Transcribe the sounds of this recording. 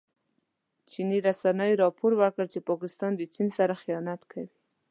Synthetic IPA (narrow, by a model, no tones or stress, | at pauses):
t͡ʃiniɾasanəjɾɑpoɾwəɾkəɽt͡ʃepɑkɪst̪ɑnd̪ət͡ʃinsaɾaxijɑnat̪kʰawi